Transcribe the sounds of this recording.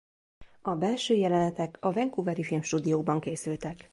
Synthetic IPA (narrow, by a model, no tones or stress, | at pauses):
ɒbɛlʃøːjɛlɛnɛt̪ɛkɒvɛŋkuvɛɾifilmʃt̪uːd̪ijoːɡ̚bɒŋkeːsylt̪ɛk